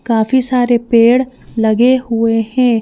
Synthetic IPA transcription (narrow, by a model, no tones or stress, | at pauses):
kaːfisaːɾepeːɽlɐɡeɦʊehɛ̃ː